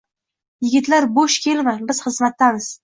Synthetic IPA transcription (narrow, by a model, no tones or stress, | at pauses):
jɪɡʲɪt̪laɾboʃkʲʰe̞lmabɪz̥χɨzmat̪ːamɪz̥